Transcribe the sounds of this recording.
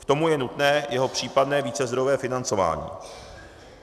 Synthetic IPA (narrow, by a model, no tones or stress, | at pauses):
kt̪o̞mujɛnut̪nɛːjʔɛɦo̞pr̝̥iːpadnɛːviːt͡sɛzd̪ɾovɛːfɪnant͡so̞va̰ːɲḭː